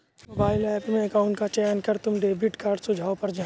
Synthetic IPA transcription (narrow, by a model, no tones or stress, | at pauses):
mobaːɪlɛːpmẽɐkaːʊ̃ɳʈkat͡ʃɛːnkɐɾt̪ʊmɖeːbɪʈkaːɾɖsʊd͡ʒʱaːopɐɾd͡ʒa